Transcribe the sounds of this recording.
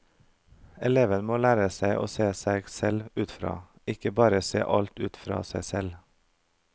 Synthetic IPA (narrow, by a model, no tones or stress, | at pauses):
ɛleːʋənmoːlæːɾəsæɪʔo̰ːseːsæɪɡsɛlʉːt̪fɾɑ̰ː | ɪkəbɑːɾəsḛːʔɑlt̪ʉːt̪fɾɑ̰ːsæɪsɛl